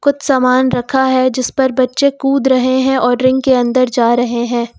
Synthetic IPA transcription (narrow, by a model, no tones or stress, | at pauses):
kʊt̪saːmaːnɾɐkʰaɦɛd͡ʒɪspɐɾbɐtːʃekuːd̪ɾɐɦeɦɛ̃ʔɔːɾɾɪ̃ŋɡkeɐ̃nd̪əɾd͡ʒaːɾɐɦeɦɛ̃ː